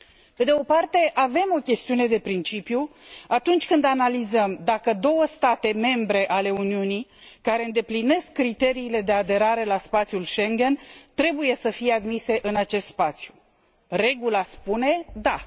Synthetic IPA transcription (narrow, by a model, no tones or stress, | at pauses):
pe̞d̪eo̞part̪e̞ʔave̞mo̞kʲe̞st̪iune̞d̪e̞pɾint͡ʃipjuat̪unt͡ʃʲkɨnd̪analizəmd̪akəd̪o̞wəst̪at̪e̞me̞mbɾe̞ʔale̞uniunikaɾe̞ɨnd̪e̞pline̞skːɾit̪e̞ɾiːle̞d̪e̞ad̪e̞ɾaɾe̞laspat̪sijulʃe̞ŋɡʲe̞nt̪ɾe̞buje̞səfije̞ad̪mise̞ʔɨnat͡ʃe̞st̪spat̪sju | re̞ɡulaspune̞d̪a